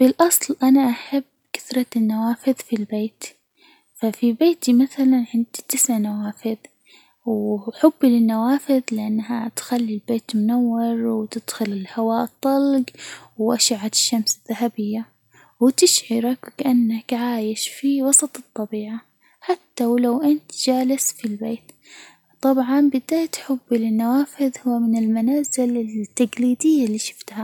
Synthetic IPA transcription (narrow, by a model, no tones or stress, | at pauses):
b̥ɪlʔɑsˤlʔanaʔaħabːkɪ̥θɾˤɑnːawaːfɪðfilbeːt̪ | fafibeːt̪imaθalanʕɪnd̪̥it̪ɪsʕnawaːfɪð | wħʊbːlɪnːawaːfɪðlɪʔanːɦat̪xalːilbeːt̪mʊnawːɪɾwt̪ɪd̪̥xʊlɪlhawaːʔt̪ˤːɑlɡwʔaʃaʕat̪ɪ̥ʃːamsɪðːaɦabɪjːa | wɪt̪ɪʃʕɪɾakwkaʔanːakʕaːjɪʃfiwɑsˤɑt̪ˤɨt̪ˤːɑbiːʕa | ħat̪ːawlawʔɪnt̪d͡ʒaːlɪsfilbeːt̪ | t̪ˤɑbʕɑnbɪd̪aːjt̪ħʊbːlɪnːawaːfɪðhʊwːmɪnɪlmanaːzɪlɪt̪ːaɡliːd̪ɪjːalːiːʃɪ̥ft̪ha